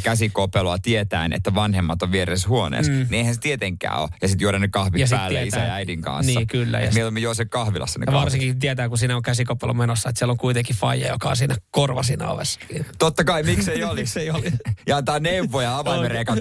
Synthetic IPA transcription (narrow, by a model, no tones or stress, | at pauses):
kæsikopeloɑt̪iet̪æːnḛt̪ːæʋɑnhemːɑt̪oʋʋieɾesshuonḛːsnieihænset̪iet̪eŋkːˑæ̰ːo̰jɑsit̪uoɾɑnːekɑhʋijɑsæːlieit̪æsææidiŋkɑ̰̃nsniːkylːæ̰jɑ̰mieolemːejosekɑhʋilɑ̰sːɑnḛjɑʋɑrsiŋkit̪iet̪æːkusiːnæoŋkæsikopelomenosːɑet̪sieloŋkuit̪eŋkifɑjɑ̰jo̰kɑonsiːnækorʋɑsinɑ̰o̰ʋḛsːɑ̥kiːnt̪ot̪ːɑkɑimikseioliseiolijɑnt̪ɑːneʋːojɑɑʋɑimeɾeːkɑn